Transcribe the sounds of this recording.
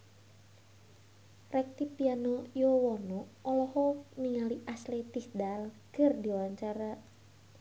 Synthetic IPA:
rɛk̚t̪ipianojowɔnɔːlɔhɔniŋaliʔaslet̪isdal | kɨrd̪iwaɲt͡ʃaɾa

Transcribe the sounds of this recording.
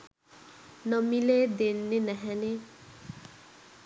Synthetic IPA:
nʌmiled̪enːenɛɦɛne

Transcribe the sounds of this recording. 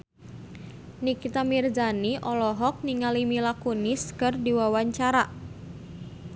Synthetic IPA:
nikit̪amird͡ʒaniʔɔlɔɦɔk̚niŋalimilakuniskɨrdiwawaɲt͡ʃaɾa

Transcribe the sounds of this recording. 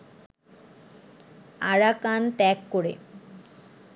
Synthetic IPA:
aɽakant̪ɛkːoɽḛ

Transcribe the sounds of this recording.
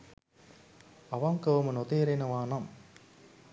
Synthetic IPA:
ɐʋɐmkɐʋɐmɐnɔt̪eːɾenɐʋaːnɐm

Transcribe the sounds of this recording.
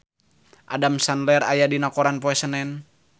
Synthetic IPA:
ʔadamsanlɛɾa̰jadinakɔɾanpɔɛsənɛn

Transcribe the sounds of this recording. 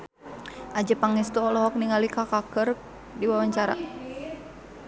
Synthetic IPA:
ʔad͡ʒəpaŋɛst̪uɔlɔɦɔk̚niŋalikakakər | diwawaɲt͡ʃaɾa̰

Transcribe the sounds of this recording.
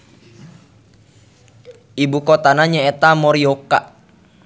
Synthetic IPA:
ʔibukɔt̪anaɲaet̪amɔɾiokaʔ

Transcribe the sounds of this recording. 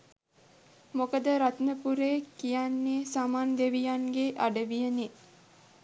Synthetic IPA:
mokəd̪əɾat̪nəpuɾeːkijanːeːsaːmaːnd̪eʋijaŋɡeʔaɖəʋijəne

